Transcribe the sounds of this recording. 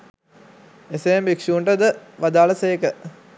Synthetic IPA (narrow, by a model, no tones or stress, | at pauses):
eseembikʂuːɳʈəd̪əʋad̪aːləseːkə